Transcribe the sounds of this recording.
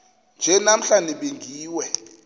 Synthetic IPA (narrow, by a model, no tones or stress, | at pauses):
nd͡ʒʱɛnam̩ɬaniɓeŋɡʱiːwɛ